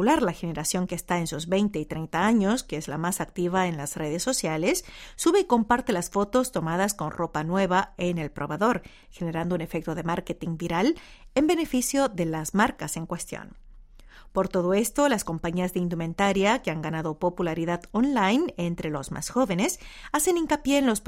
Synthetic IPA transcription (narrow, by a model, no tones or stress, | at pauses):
ulaɾlaxene̞ɾasjo̞ŋkeːst̪aensuzβe̞jnt̪e̞it̪ɾejnt̪aaɲo̞skeezlamasak̚t̪iβaenlasre̞ð̞esːo̞sjalesːuβe̞iko̞mpaɾt̪elasfo̞t̪o̞st̪o̞maðasko̞nrʔo̞panwe̞βaene̞lpɾʔo̞̰βeðo̞ɾ | xe̞ne̞ɾand̪oune̞fe̞k̚t̪oðe̞maɾket̪iŋbiɾal | embe̞ne̞fisjo̞ðe̞lazmaɾkase̞ŋkwe̞st̪jo̰n | po̞ɾt̪o̞ð̞o̞e̞st̪o̞lasko̞mpaɲiazðeind̪umẽ̞nt̪aɾjakeaŋɡanaðopo̞pulaɾiðaðonlajne̞nt̪ɾe̞lo̞zmʔa̰sxo̞βe̞ne̞sase̞niŋkapje̞ːnlo̞s